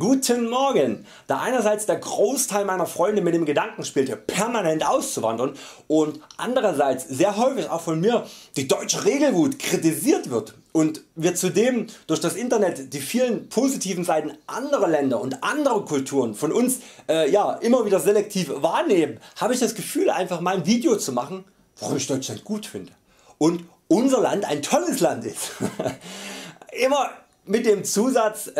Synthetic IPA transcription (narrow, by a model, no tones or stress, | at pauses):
ɡ̥uːtʰənmɔɐɡən | d̥aːʔaɪnɐzaɪt͡sd̥eːɐɡʁoːstʰaɪlmaɪnɐfʁ̥ɔʏndəmɪt̚d̥eːmɡədaŋkŋ̩ʃpiːltəpʰɛɐmanɛntʔaʊst͡suva̰ndɐnʔʊntʔa̰ndəʁɐzaɪt͡sz̥eːɐɦɔʏfɪça̰ʊxfɔnmiːɐd̥iːdɔʏt͡ʃəʁeːɡl̩vuːtkʁ̥itiziːɐtv̥ɪɐt | ʔʊntviːɐt͡sudeːmd̥ʊɐçd̥asʔɪntɐnɛtd̥iːfiːlənpʰozitʰiːvn̩zaɪtn̩ʔandəʁɐlɛndɐʊntʔandəʁəkʰʊltʰuːʁənfɔnʔʊnsʔɛːjaːʔɪmɐviːdɐzɛlɛk̚tʰiːfvaːɐneːmənhaːbəɪçd̥asɡ̥əfyːlʔa̰ɪnfaχmaɪnviːdjot͡sumaχn̩ | vaʁʊmɪçd̥ɔʏt͡ʃlant̚ɡ̥uːtfɪndə | ʔʊnt | ʔʊnzɐlanta̰ɪntʰɔləslantɪst | ʔɪmɐ | mɪt̚d̥eːmt͡suːzat͡s